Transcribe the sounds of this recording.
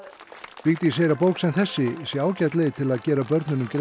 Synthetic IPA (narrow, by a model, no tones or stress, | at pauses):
piːt̪ɪs̬eːjɾapoːwksɛmθɛsːɪsjɛaːwcat̪lɪðɪt̪ʰɪlaðcɛːɾapœɾt̪nʏnʏmkɾ